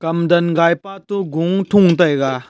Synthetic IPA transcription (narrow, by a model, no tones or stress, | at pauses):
kɐmd̪ɐnɡajpat̪uɡuŋtʰuŋt̪ɐjɡa